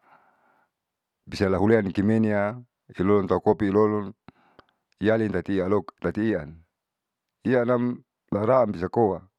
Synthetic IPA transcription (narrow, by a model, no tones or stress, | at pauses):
bisalaɦuleankimenia | ilɔlɔnt̪aukopiilɔlɔn | ijalint̪at̪ialokt̪at̪iːan | ianam | laɾaːmbis̬akowa